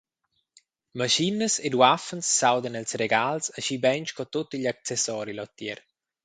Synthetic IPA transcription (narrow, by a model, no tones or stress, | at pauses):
maʃinəsed̪wafənsːawd̪ənɛlsreɡalsaʃibɛnt͡ʃkɔt̪ot̪ːiʎak̚t͡sɛsɔːɾilɔt̪ːjɛɾ